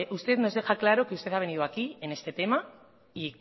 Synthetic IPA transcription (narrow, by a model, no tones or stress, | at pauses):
ʔust̪e̞ðno̞zðe̞xaklaɾo̞keust̪e̞θaβe̞niðoakie̞ne̞st̪e̞t̪e̞ma | i